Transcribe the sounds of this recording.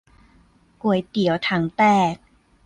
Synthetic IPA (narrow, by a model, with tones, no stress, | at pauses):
ku˨˩əjt̪i˩˦ə˦wt̪ʰa˩˦ŋt̪ɛː˥˩k̚